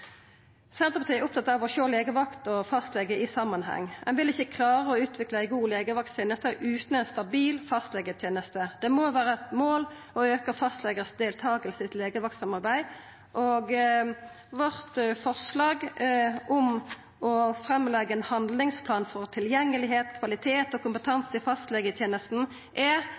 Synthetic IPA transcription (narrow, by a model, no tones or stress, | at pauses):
sɛnt̪əʁpɑt̪iːɛɾʊpt̪ʰɑt̪ːɑːʋɔçoːleːɡəʋɑkt̪ɔfɑst̪lɛɡəʔɪsɑmːɑnhɛ̰ŋːɛnʋɪlɪçːəkʰlɑːʁəɔʉːt̪ʰʋɪkləæɪɡuːleːɡəʋɑkt̪ʰjeːnəst̪əʔʉːt̪n̩ɛɪnst̪ɑbiːlfɑst̪lɛɡət̪ʰjeːnəst̪əd̪̥ɛmoʋæːɾət̪moːl | ɔøːkəʁfɑst̪lɛɡəsd̪eːlt̪ʰɑːɡəlsɪt̪leːɡəʋɑk̚t̪sɑmɑɾbæɪ | ʔɔɡ | ʋɔʁt̪fɔʁslɑːɡʔɔm | ɔfɾɛmːlɛɡəɛnhɑnd̪lɪŋspʰlɑːnfɔʁt̪ʰɪljɛŋːəlɪɦeːt̪kʰʋɑlɪt̪ʰeːt̪ɔkʰʊmpət̪ʰɑnsɪfɑst̪lɛɡət̪ʰjeːnəst̪n̩ | ʔɛ